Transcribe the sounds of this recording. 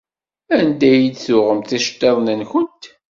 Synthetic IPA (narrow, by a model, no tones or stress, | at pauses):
ænd̪æjid̪θʊʁəmθiʃt̪ˤːeðˤnənçənt̪